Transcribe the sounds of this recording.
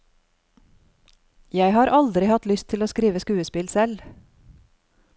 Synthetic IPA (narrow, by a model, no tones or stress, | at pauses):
jæɪhɑːɾʔɑld̪ɾɪhɑt̪lʏst̪ʰɪloːskɾiːʋəskʉːəspɪlsɛl